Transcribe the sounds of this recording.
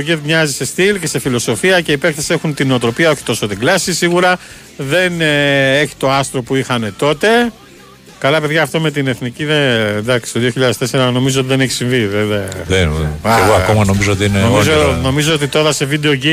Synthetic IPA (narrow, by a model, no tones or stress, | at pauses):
ocetmɲɐzise̞st̪ilce̞se̞filo̞so̞fiɐce̞ipe̞kθesie̞xunt̪ino̞ot̪ɾo̞piɐo̞çi̥t̪o̞sot̪iɡlɐsisiɣuɾɐ | ðe̞neçi̥t̪o̞ɐst̪ɾo̞puixɐne̞t̪o̞t̪e̞ | kɐlɐpe̞ðʝɐːft̪ome̞t̪ine̞θniciðend̪ɐksi̥st̪oðio̞çiʎɐðest̪e̞se̞ɾɐno̞mizoot̪iðeneçi̥siɱviðeðeðeaeɣoɐkomɐno̞mizoot̪iinenomizono̞mizoot̪it̪o̞ɾɐse̞vid̪e̞o̞ʝi